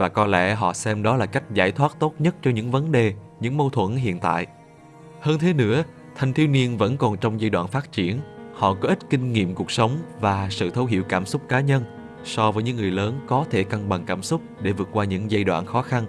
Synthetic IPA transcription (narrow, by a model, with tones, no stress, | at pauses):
vaː˨˩kɔ˨˧lɛ̰˧˥ɦɔ̰˧˨sɛ˧mɗɔ˨˦laː˨˩ka˦˥jk̟̚zaː˧˩jt̪ʰwaː˦˥t̚t̪o˦˥t̚ɲə˦˥t̚t͡ɕɔ˧ɲɨ̰˧˥ŋvə˨˦nɗe˨˩ | ɲɨ̰˧˥ŋmo˧wt̪ʰwə̰˧˩nɦḭ˧˨ənt̪a̰ː˧˨jʔ | həː˧nt̪ʰe˨˦nɨ̰˧˥ə | t̪ʰa˨˩jŋ̟t̪ʰi˧wni˧ənvə̰˧˥nkɔ˨˩nt͡ɕɔ˧wŋ͡mza˧jɗwa̰ː˧˨nfaː˦˥t̚t͡ɕi˧˩ənhɔ̰˧˨kɔ˨˦ʔi˦˥t̚kï˧ŋ̟ŋḭ˧˨əmku˨˩ək̚sə˨˦wŋ͡mvaː˨˩sɨ̰˧˨t̪ʰə˧wɦḭ˧˨wkaː˧˩msʊ˦˥k͡p̚kaː˨˦ɲə˧n | sɔ˧vəː˨˦jɲɨ˧˥ŋɨ˨˩əjləː˨˦nkɔ˨˦t̪ʰe˧˩ka˧ŋɓa˨˩ŋkaː˧˩msʊ˦˥k͡p̚ɗe˧˩vɨ˨˩ət̚kwaː˧ɲɨ̰˧˥ŋza˧jɗwa̰ː˧˨nxɔ˨˦xa˧n